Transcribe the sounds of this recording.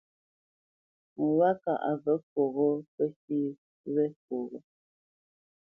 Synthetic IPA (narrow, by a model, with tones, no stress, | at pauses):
ŋ̩˨wa˦ka̰˨ʔa̰˨və˦ko˨ɣo˦pə˦si˦ | ɾɛ˦ko˨ɣo˨